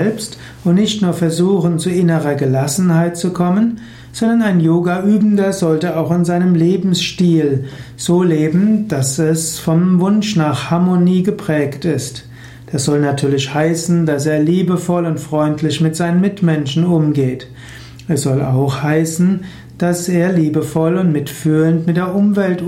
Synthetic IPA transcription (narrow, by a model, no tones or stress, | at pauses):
ɛlpst | ʊntnɪçtnuːɐfɛɐzuːχn̩t͡suɪnəʁɐɡəlasn̩haɪt̚t͡sukʰɔmən | z̥ɔndɐnaɪnjoːɡaʔyːbm̩dɐzɔltəaʊxɪnzaɪnəmleːbm̩sʃtiːlz̥oːleːbm̩d̥asɛsfɔmvʊnʃnaːχhaɐmoniːɡəpʁ̥ɛːktɪst | d̥asz̥ɔlnatʰyːɐlɪçhaɪsn̩das̬eːɐliːbəfɔlʊntfʁ̥ɔʏntʰlɪʃmɪtz̥aɪnənmɪtmɛnʃn̩ʊmɡeːt | ɛsz̥ɔla̰ʊxhaɪsn̩ | d̥aseːɐliːbəfɔlʊntmɪtfyːləntmɪt̚d̥eːɐʔʊmvɛlt